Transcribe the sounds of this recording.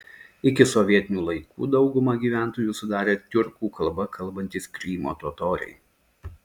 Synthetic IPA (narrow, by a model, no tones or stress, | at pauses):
ɪkʲɪsɔʋʲiɛt̪ʲɪnʲuːlˠɐɪkṵːd̪ɒʊɡʊmɐɡʲiːʋʲæˑnt̪oːjuːsʊd̪ɑːɾʲeːt̪ʲʊɾkuːkɐlˠˑbɐkʰɐlˠˑbɐnʲt̪ʲiːskɾʲiːmo̰ːt̪oːt̪oːɾʲɛ̰ɪ